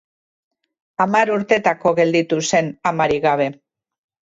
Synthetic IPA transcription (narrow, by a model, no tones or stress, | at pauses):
amaɾuɾt̪e̞t̪ako̞ɣe̞ld̪it̪use̞namaɾiɣaβ̞e̞